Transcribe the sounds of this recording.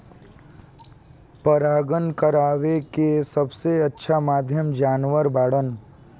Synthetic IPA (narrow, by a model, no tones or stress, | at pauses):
pəɾaːɡənkəɾaːʋekesɐbseɐtːʃʰamaːd̪ʱjəmd͡ʒaːnʋəɾbaːɽən